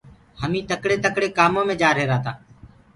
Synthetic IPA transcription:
həmĩːt̪əkɽeːt̪əkɽeːkaːmõːmẽːd͡ʒaːɾɦeːɾaːt̪aː

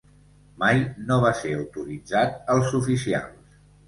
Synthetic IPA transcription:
majnoβ̞aseəwt̪uɾid͡zat̪̚əlˠzufisia̰lˠs

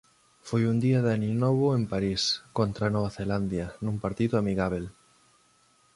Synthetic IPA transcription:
fojund̪iaðaninoβʊempaɾiskont̪ɾanoβ̞aθeland̪janũmpaɾt̪iðʊamiɣaβel

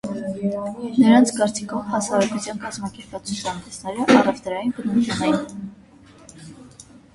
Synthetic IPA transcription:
nəɾɑnt͡sʰkɑɾt͡sʰikʰɔvhɑsɑɾɛkut͡sʰjɑnkɑzmɑkɛɾpɑt͡sʰut͡sʰɑnd̪ɛsnɛɾəʔɑrɛvd̪əɾɑjinbənuɾk̪unɛin

